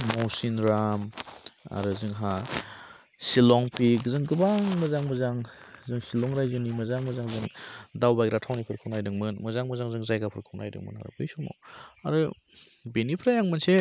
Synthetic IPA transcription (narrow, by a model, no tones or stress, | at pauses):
mɔwsinɾama̰ɾɯzɯŋɦa | silɔŋpiɡzɯŋɡɯbaŋmɯzaŋmɯzaŋzɯŋsilɔŋɾajzɯnimɯzaŋmɯzaŋzɯŋdawbajɾatʰawnipʰɯɾkʰɯwnajdɯŋmɯnmɯzaŋmɯzaŋzɯŋzajɡapʰɯɾkʰɯwna̰jdɯ̰ŋmɯ̰nɦa̰ɾɯ̰bɯjsumɔ̰wa̰ɾɯ | benipʰɾajaŋmɯnse